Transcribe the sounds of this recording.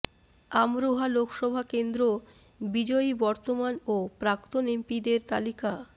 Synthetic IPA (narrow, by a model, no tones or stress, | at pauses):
amɾoɦalokʰʃɔbʱakend̪ɾo | bid͡ʑɔibɔɾt̪omanopɾakt̪onempid̪eɾt̪a̰lika